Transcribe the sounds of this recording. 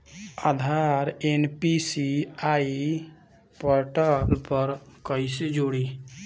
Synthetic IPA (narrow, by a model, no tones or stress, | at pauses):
ad̪ʱaɾenpisiai | pəɾʈəlpəɾkəised͡ʒoɽi